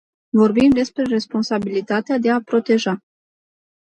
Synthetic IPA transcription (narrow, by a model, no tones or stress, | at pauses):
vo̞rbimd̪e̞spɾe̞re̞spo̞nsabilit̪at̪ead̪e̞apɾo̞t̪e̞ʒa